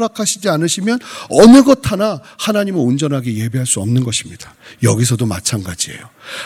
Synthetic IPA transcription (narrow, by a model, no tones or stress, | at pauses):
ɾakʰaɕʰid͡ʑianɯɕʰimjʌnʌnɯɡʌtʰanahanaɲimɯund͡ʑʌnɦaɡeje̞beɦaɭs͈uʌmnɯnɡʌɕʰimɲidajʌɡis̬ʰʌdoma̰t͡ɕʰanɡa̰d͡ʑie̞̰jo